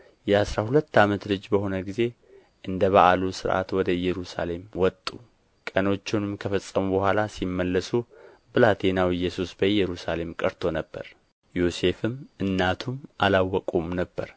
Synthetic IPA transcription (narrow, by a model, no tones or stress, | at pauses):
jɛasɾahulət̪ːamət̪lɨd͡ʒbəho̞nəɡize̞ | ʔɨnd̪əβa̰ʔalusɨɾʔa̰t̪wɔd̪əɨjːɛɾusa̰le̞mwɔt̪ʼːu | kʼəno̞t͡ʃːɪnɨmkʰəfəsʼːəmubəhʷalasimːəlːəsu | bɨlat̪ʰenawɨjːɛsusbəɨjːɛɾusale̞mkʼəɾt̪ʰonəbːə̰ɾ | jose̞fɨmʔɨnːat̪ʰumʔalawːɔkʼumnəbːəɾ